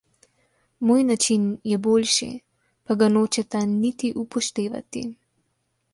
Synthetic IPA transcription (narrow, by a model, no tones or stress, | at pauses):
moːjnat͡ʃinjɛboːlʃḭ | paɡanoːt͡ʃɛt̪anit̪iʔupɔʃt̪eːʋa̰t̪ḭ